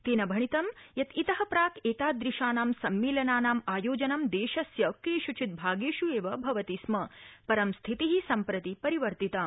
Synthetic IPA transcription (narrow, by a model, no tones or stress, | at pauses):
t̪eːnɐbʱɐɳ̃it̪ɐmjɐt̪it̪ɐɦɐpɾaːkʰeːt̪aːd̪ɾiʃaːnaːmsɐmːeːlɐnaːnaːmaːjoːd͡ʒɐnɐmd̪eːʃɐsjɐkiːʃut͡ʃʰit̪̚bʱaːɡeːʃueːʋɐbʱɐʋɐt̪ismɐpɐɾɐmst̪ʰit̪iɦisɐmpɾɐt̪ipɐɾiʋɐɾt̪it̪aː